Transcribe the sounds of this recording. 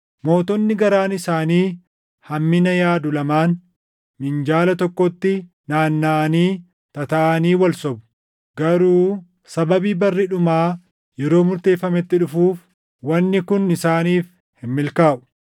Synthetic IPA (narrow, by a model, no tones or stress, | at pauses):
mo̞ːt̪ɔnːɪɡɐɾaːnɪsaːniː | hɐmːɪnɐjaːd̪ʊlɐmaːn | mɪnd͡ʒaːlɐt̪ɔkːɔt̪ːɪ | naːnːaːniː | t̪ɐt̪ɐʔɐniːwɐlsɔbʊ̥ | ɡɐɾuː | sɐbɐbiːbɐrːɪᶑʊmaː | jɛɾo̞ːmʊɾt̪e̞ːfːɐmɛt̪ːɪᶑʊfuːf | wɐnːɪkʊnɪsaːniːf | hɪmːɪlkaːʔʊ̥